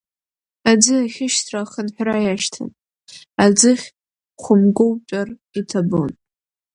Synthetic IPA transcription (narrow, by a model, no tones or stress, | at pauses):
ad͡zɨaχʲɪʃtʰraχənħʷᶣrajaʃtʰa̰n | ad͡zɨχʲ | χʷʊmɡʷowt͡ʃʷʼar | itʰabo̰n